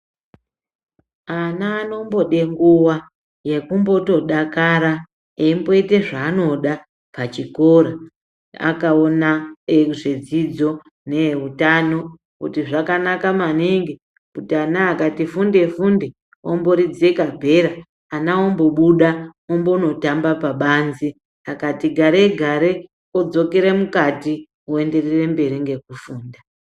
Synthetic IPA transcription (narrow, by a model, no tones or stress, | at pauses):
anaːno̞mbo̞ɗeŋɡuwa | je̞kumbo̞to̞ɗakaɾa | eimbo̞ite̞ʐaːno̞ɗa | pat͡ʃiko̞ɾa | a̰kaonaʐed͡zid͡zo̞ | ne̞ɦutano̞ | kutiʐakanakamaniŋɡi | kutianaːkatifunde̞funde | o̰mbo̞ɾid͡ze̞kabʱe̞ɾaː | naombo̞ɓuɗaombono̞tambapaɓanzi | akatiɡʱaɾe̞ɡʱaɾe | od͡zo̞ke̞ɾe̞mukati | ue̞nde̞rere̞mbe̞ɾiŋɡe̞kufuːnda